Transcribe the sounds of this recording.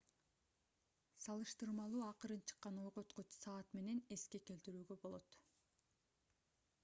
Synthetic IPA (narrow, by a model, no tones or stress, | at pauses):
sɑlˠɯʃt̪ɯɾmɑlˠuːɑqɯɾɯnt͡ʃʰɯ̥qːɑno̞jʁo̞t̪qot͡ʃsɑːt̪me̞ne̞ne̞ske̞ke̞lt̪iɾyːɡø̞bo̞lˠo̞t̪